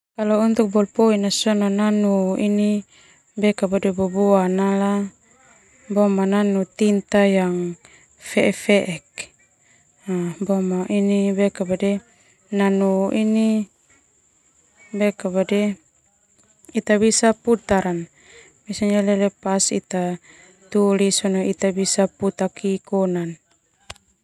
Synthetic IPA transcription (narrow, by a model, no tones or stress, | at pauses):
kalɔunt̪uk̚bɔlpɔinasɔnananuini | bɛkabadɛbɔbɔanala | bɔmananut̪int̪ajaŋ | fɛʔɛfɛʔɛk | abɔmaʔinibɛkabadɛ | nanuini | bɛkabadɛ | it̪abisaput̪aɾan | misaɲalɛlɛpasḭt̪a | t̪ulisɔnɔʔit̪abisaput̪akikɔnan